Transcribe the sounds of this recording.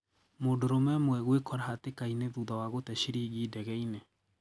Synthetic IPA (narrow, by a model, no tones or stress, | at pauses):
modoɾomɛmwɛɣwekɔɾahatekaineðuðawaɣotɛʃiɾiɣiːdɛɣɛine